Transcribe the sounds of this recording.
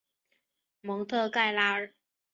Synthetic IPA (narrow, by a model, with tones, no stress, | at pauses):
mɔ˧˥ŋt̪ʰɤ˥˧ka˥˩ɪla˥ə˨˩